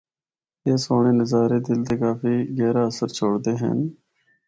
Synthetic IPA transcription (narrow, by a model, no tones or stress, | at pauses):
eːsoːɳeːnəzaːɾeːd̪ɪld̪eːkaːfiːɡɛːɾaːəsəɾt͡ʃʰoːɽd̪eːɦɛ̰n